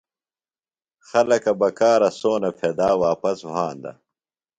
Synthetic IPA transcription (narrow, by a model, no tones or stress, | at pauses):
xɐlɐkɐbɐkaːɾɐsoːnɐpʰeːd̪aːwaːpɐswãːnd̪ɐ̰